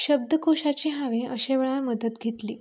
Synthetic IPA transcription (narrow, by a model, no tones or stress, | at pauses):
ɕəb̚d̪əkoɕat͡ɕiɦaʋẽəɕeʋeɭaməd̪ət̪ɡʱet̪liː